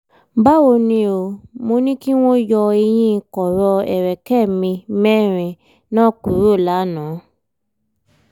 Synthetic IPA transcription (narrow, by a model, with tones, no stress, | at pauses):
ba˦wo˧nĩ˧˦o˧mo˧nĩ˦ki˦w̃ɔ̃˦jɔ˧e˧j̃ĩ˧˦˧kɔ˨ɾɔ˧ɛ̰˨ɾɛ˨kɛ˦˨mĩ˧mɛ˦˨ɾ̃ɛ̃˨ | nã˦˨ku˨˦ɾo˦˨la˨˦nã˨˦